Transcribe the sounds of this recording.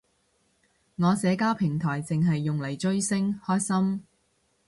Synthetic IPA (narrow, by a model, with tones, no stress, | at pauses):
ŋɔː˨˧sɛː˨˧kaː˥wpʰɪ˨˩ŋt̪ʰɔː˨˩jt͡sɪ˨ŋɦɐ˨jːʊ˨ŋlɐ˨˩jt͡ʃɵ˥ɥsɪ˥ŋhɔː˥jsɐ˥m